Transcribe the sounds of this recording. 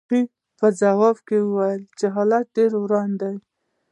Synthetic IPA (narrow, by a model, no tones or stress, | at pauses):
i | pəzawɑbkewəwajəlt͡ʃeɦɑlat̪̚ɖeɾwɾɑnd̪aj